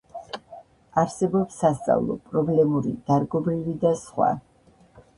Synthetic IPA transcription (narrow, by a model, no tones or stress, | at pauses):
aɾsɛbɔpsːast̪sʼa̰vlˠɔ̰pʼɾɔblɛmuɾḭd̪̥aɾɡɔbɾivid̪asχwa̰